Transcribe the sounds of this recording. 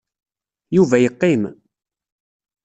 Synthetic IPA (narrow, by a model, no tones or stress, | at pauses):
juvæjəqːɪm